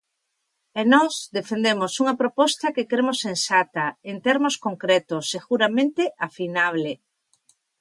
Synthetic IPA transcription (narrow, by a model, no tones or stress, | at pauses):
enɔzd̪efend̪emosuŋapɾopɔst̪akekɾemosːẽnsat̪aent̪eɾmoskoŋkɾet̪oseɣuɾamẽnt̪eʔafinaβ̞le